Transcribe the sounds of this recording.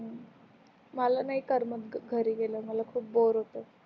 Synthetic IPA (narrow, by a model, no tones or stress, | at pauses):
ɦə | məlanaɦikəɾmət̪ɡʱəɾiːɡeləməlakʰuːp̚boɾɦot̪ə